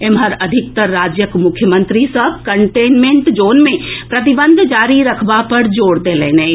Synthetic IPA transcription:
emɦəɾɐd̪ʱɪk̚t̪əɾːaːd͡ʒjəkmʊkʰːjəmə̃nt̪ɾisɐb̚kəɳʈeːnmẽɳʈd͡ʒoːnmẽpɾɐt̪ibə̃nd̪ʱd͡ʒaːɾiɾɐkʰbapɐɾd͡ʒoːɽd̪eːleːne

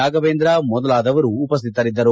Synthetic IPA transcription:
aːɡɐʋeːnd̪ɾamɔd̪ɐlaːd̪ɐʋɐɾuːpɐs̬t̪ʰit̪ːɐɾid̪ːɐɾu

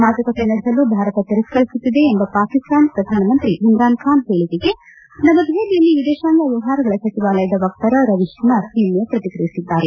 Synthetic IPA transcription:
maːd͡ʒɐkɐt̪enɐɽisɐlːubʱaːɾɐt̪ɐt̪iɾɐskɐɭisut̪ːid̪eːmbɐpaːkist̪aːnpɾɐd̪ʱaːnɐmɐnt̪ɾiʔind̪ɾaːnkʰaːnɦe̞ːɭid̪iɡe | nɐmɐd̪ʱeːlijɐlːiʋid̪eːʃaːnɐʋiʋɦaːɾɐɡɐɭɐsɐt͡ʃiʋaːlɐjɐd̪ɐʋɐk̚t̪ɐɾɐɾɐʋiʃɐnɐsiːmjɐpɾɐt̪ikɾɐjisid̪ːaːɾe

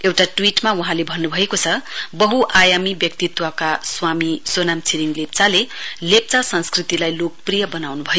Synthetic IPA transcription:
ewʈaʈwiʈmawuɦãlebʱʌnːubʱʌekot͡sʰʌbʌɦuʔajamibjʌk̚t̪it̪wʌkaswamisonamt͡sʰiɾiŋlep̚t͡salelep̚t͡sasʌnskrit̪ilajlok̚prijʌbʌnawnubʱʌj

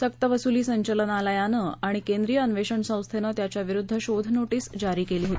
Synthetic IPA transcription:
səkt̪əʋəsuliːsəɲt͡ɕələnaləjanəaɽ̃ikẽnd̪ɾijəənʋeɕəɳsə̃w̃st̪ʰenət̪jat͡ɕjaʋiɾud̪ʱːəɕod̪ʱnoʈiːsd͡ʑaɾiːkeliːɦot̪i

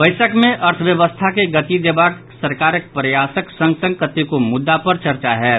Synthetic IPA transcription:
bɐɪsəkmẽʔɐɾt̪ʰʋjəʋəst̪ʰakeɡɐt̪id̪eːbaːk | sɐɾkaːɾɪk̚pɾjaːsəksɐ̃ŋɡsə̃ŋkət̪ikomʊd̪ːapɐɾt͡ʃɐɾt͡ʃaɦɛː

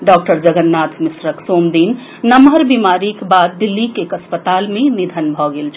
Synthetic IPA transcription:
ɖɔːk̚ʈəɾd͡ʒəɡənːat̪misɾəksoːmd̪iːnː | əmɦəɾbimaːɾikbad̪̚ːilːikekəspət̪almẽnid̪ʱənbʱɔɡeːlt͡ʃʰ

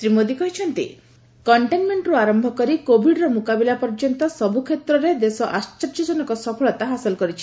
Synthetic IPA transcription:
t̪ɾimod̪ikɔɦit͡ʃʰɔnt̪ḭ | kɔɳʈenmeɳʈɾuaɾɔmbʱɔkɔɾikobʱiɖɾɔmukabilapɔɾd͡ʒɔnt̪ɔsɔbukʰet̪ɾɔɾed̪esɔʔast͡ʃɔɾd͡ʒɔd͡ʒɔnɔkɔsɔpʰɔɭɔt̪aɦasɔlɔkɔɾit͡ʃʰi̥

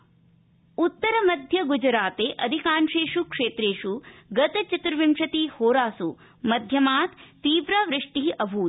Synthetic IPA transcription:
ut̪ːɐɾɐmɐd̪ʱjɐɡud͡ʒɾaːt̪eːʔɐd̪ʱikaːnʂeːʂukʂeːt̪ɾeːʂuɡɐt̪ɐt͡ʃit̪ɾɐʋimʂɐt̪iːhoːɾaːsu | mɐd̪ʱjɐmaːt̪t̪ːiːʋɾaʋɾɪʂʈiɦiʔɐbʱuːt̪

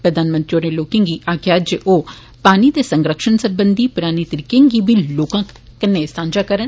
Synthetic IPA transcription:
pɾəd̪ʱaːnmə̃nt̪ɾioːɾeːloːkẽŋɡiːʔaːɡjaːd͡ʒeʔoː | paːniːd̪eːsə̃ŋɡɾəkʃənsəbənd̪iːpʊɾaːniːt̪əɾiːkeːŋɡiːbiːloːkãː | kɪnːeːst̪ãːnd͡ʒaːkəɾən

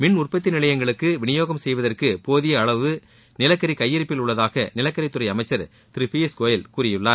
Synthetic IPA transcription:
mɪɳʊrpɐt̪̬ːɪnɪlɐjɐŋɡɐɭɯkːɯʋɪɳɪjoːɣɐmsɛjʋɐðɐrkɯpoːðɪjɐːɭɐʋɯ | nɪlɐkːɐɾikɐjːɪɾɯpːɪlʊɭːɐðaːɣɐnɪlɐkːɐɾɪt̪ːɯɾɐɪɐmɐɪt͡ʃːɐɾ | t̪ɪɾɪfiɐskoːjɪlkuːɾɪjɯɭːaː

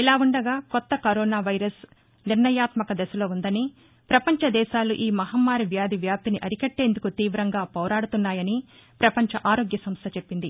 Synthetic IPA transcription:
ilaːuɳɖɐɡaːkɔt̪ːɐkɐɾɔːnaːʋɐjɾɐs | niɾɳɐjaːt̪mɐkɐd̪ɛsɐlo̞ːund̪ɐni | pɾɐpɐɲt͡ʃɐd̪ɛːʃaːluʔiːmɐɦɐmːaːɾiʋjaːd̪iʋjaːp̚t̪iniʔɐɾikɐʈːe̞ːnd̪ukut̪iːʋɾɐŋɡaːpɔːɾaːɽut̪unːaːjɐnipɾɐpɐɲt͡ʃɐʔaːɾo̞ːɡjɐsɐmst̪ʰɐt͡ʃepːind̪i

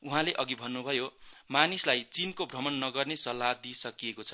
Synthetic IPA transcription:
uɦãleʔʌɡibʱʌnːubʱʌjomanislajt͡sinkobʱrʌmʌnːʌɡʌrnesʌlːad̪isʌkijekot͡sʰʌ̥

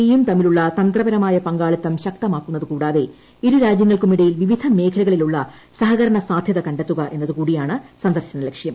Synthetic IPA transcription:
ejumt̪ɐmiluɭːɐt̪ɐnt̪rɐbɐɾɐmaːjɐpɐŋɡaːɭit̪ːɐmɕɐk̚t̪ɐmaːkːunːɐðɨkuːɽaːðe̞ | iɾuɾaːd͡ʑjɐŋːɐɭkumiɽɐjilʋiʋid̪ʱɐme̞ːkʰɐlɐɣɐɭiluɭːɐ | sɐɦɐɣɐɾɐɳɐsaːd̪ʱjɐðɐkɐɳɖet̪ːuɣɐʔe̞nːɐðɨkuːɽijaːɳɨsɐnd̪ɐrɕɐnɐlekʂjɐm

